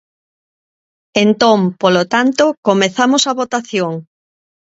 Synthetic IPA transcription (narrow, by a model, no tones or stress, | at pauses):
ent̪ɔ̃mpolot̪ant̪okomeθamosɐβot̪aθjoŋ